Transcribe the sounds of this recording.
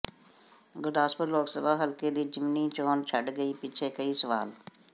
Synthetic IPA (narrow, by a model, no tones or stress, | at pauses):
ɡʊɾd̪aːspəɾloːksəbʱaɦəlkelid͡ʒɪmnit͡ʃoːnt͡ʃʰəɖɡəipɪt͡ʃʰekəisəʋa̰ːl